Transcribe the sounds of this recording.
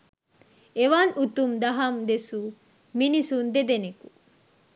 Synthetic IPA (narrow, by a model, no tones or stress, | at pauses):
eʋanʔut̪umd̪ɐɦɐmd̪esu | minisund̪ed̪eneku